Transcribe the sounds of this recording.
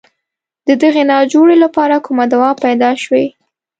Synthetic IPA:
d̪̥əd̪əɣenɑd͡ʒoɽelapɑɾakumad̪awɑpajd̪ɑʃwe

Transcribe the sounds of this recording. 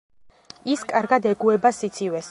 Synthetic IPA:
iskʼaɾɡad̪ɛɡuɛbasit̪sʰivɛs

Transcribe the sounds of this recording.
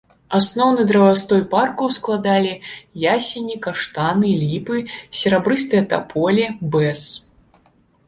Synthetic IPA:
asnɔwnɨd̪ɾɐvast̪ɔjparkuwsklˠad̪alʲijasʲinʲikaʂt̪anɨlʲipɨsʲɛɾabɾɨst̪ɨjɐt̪a̰pʰɔlʲibɛs

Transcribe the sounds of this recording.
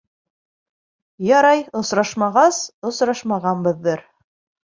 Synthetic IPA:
jɑɾɑjŏsɾɑʃmɑʁɑsŏsɾɑʃmɑʁɑnbɤ̆ðːɤɾ

